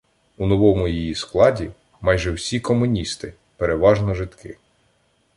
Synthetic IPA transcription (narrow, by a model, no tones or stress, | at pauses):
unɔʋɔmʊjijisklˠɑdʲi | mɑjʒɛwsʲikɔmʊnʲist̪ɪ | peɾeʋɑʒnɔʒɪt̪kɪ